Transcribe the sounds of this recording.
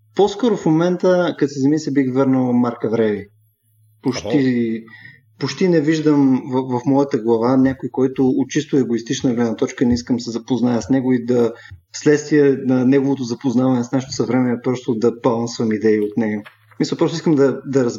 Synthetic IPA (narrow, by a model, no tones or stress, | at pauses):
poskɔɾofmomɛnt̪əkɐt̪sɛzɐmisɛbixvɤɾnəwˠmaɾkɐvɾɛvi | pot͡ʃt̪i | pot͡ʃt̪inɛviʒd̪əmvvɐfmɔjɐt̪əɡlˠɐvanʲakʊjkɔjt̪ʊːt̪̚t͡ʃist̪ʊɛɡoist̪it͡ʃnəɡlɛd̪nɐt̪ɔt͡ʃkənɛiskəmsɛzɐpoznajəsnɛɡʊid̪ɐslɛt̪st̪viɛnɐnɛɡovot̪ʊzɐpoznavɐnɛsnaʃt̪ʊ̥sɐvɾɛmɛɛpɾɔst̪ʊd̪ɐbɐlˠansvɐmid̪ɛiot̪nɛɡɐ | smisɐlˠpɾɔst̪ʊiskəmd̪ɐd̪ɐɾɐz